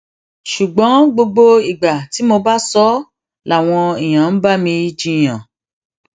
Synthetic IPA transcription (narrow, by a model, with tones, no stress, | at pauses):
ʃu˨ɡ͡bɔ̃˨˦ɡ͡bo˧ɡ͡bo˧i˨ɡ͡ba˨ti˨˦mo˧ba˦sɔ˦ | la˨w̃ɔ̃˧i˨j̃ã˨n̩˦ba˦mĩ˧i˦d͡ʒĩ˧˨j̃ã˨